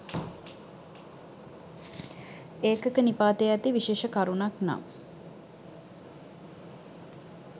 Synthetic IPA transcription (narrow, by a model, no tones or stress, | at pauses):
eːkəkənipaːt̪eæt̪iʋiʃeːʃəkaɾunakna̰m